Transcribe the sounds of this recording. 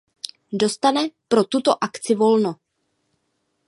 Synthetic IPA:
do̞st̪anɛpɾot̪ut̪oʔakt͡sɪvo̞lno

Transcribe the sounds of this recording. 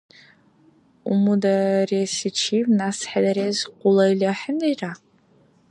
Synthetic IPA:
umudaresit͡ʃʰivnasħadaɾezqʷʊlajlaħəndejra

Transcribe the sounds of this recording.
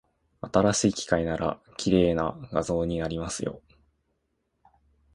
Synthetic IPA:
at̪aɾaɕiːkʲi̥kainaɾa̰ | kʲʰiɾe̞ːnaɡazo̞ːɲ̟inaɾʲimasɨjo̞̰

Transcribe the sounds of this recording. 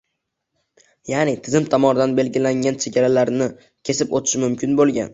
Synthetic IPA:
janɪt̪ʰɪzɪmt̪ʰamɒnɪd̪anbe̞lɡʲɪlaŋʲant͡ʃʰe̞ɡʲaɾalaɾnɪ | kʲʰe̞sɪpot̪ʰɪ̥ʃmʊmkʲʰɪnbolˠɡʲa̰n

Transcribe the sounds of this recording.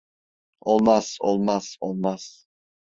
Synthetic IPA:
olˠmaso̰lˠmaz̥olˠmaz̥

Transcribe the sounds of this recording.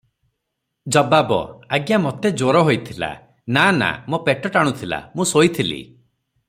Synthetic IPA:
d͡ʒɔbabɔ̰aɡjamot̪ed͡ʒoɾɔɦojt̪ʰila̰ | nana̰mopeʈɔʈaɽ̃ut̪ʰila̰mũsojt̪ʰilḭ

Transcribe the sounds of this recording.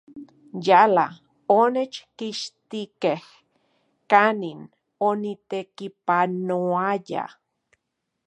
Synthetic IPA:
jala | onet͡ʃkiʃt̪ikeh | kanin | onit̪ekipanoaja̰

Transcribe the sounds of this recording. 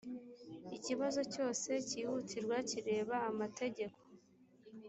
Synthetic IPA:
iciβazo̞co̞ːse̞ciːhutʰiɾɡwaciɾe̞ːβaːmate̞ɟe̞kʰo̞̥

